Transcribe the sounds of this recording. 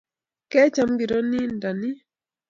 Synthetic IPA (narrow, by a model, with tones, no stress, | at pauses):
kɛ˦t͡ʃa˦mɡi˨ɾo˦ni˦nda˨ni˦